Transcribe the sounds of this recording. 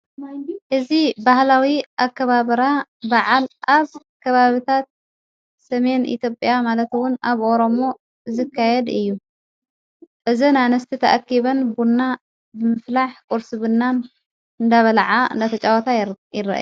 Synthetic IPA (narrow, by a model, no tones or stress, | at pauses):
ʔɨzibahlawiʔakːɐβaβɐɾabaʕalʔaβ | kʰɐβaβɨt̪ʰat̪̚ | sɐme̞nʔḭt̪ʰjo̞pʼjamalɐt̪wʊnaβʔo̞ɾo̞mo̞ | zɨkʰːajɛd̪ɨjːu | ʔɨzinajnɐst̪ʰit̪ʰɐ̰ʔakːiβɐnbunːa | bɨmɨflaħkʼuɾsɨβɨnːan | ɨnd̪aβɐlʕaɨ̰nd̪at̪ʰɐt͡ʃʼawɐt̪ʰajɪɾa̰ʔa̰ju